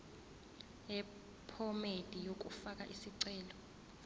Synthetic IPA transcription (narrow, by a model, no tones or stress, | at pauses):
ɛ | pʰɔmed̥ʱijok̬ʼufakʼaʔisiǀɛːlɔ